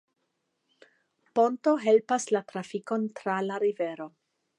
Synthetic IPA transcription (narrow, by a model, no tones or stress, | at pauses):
po̞nto̞ɦe̞lpaslatɾafiko̞ntɾalaɾive̞ɾo̞